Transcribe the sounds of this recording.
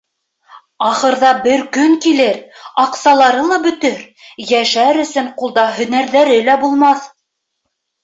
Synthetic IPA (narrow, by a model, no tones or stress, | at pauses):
ɑχɤ̆ɾðɑbɘɾkɵŋkilɘɾɑqsɑlˠɑɾɤlˠɑbɵ̆t̪ɵɾ | jæʃæɾɵ̆sɵɴqulˠd̪ɑɦɵ̆næɾðæɾɘlæbulˠmɑθ